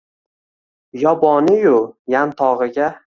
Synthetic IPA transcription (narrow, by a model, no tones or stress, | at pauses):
jɒbɒnɪjʊjant̪ʰɒʁɨɡʲa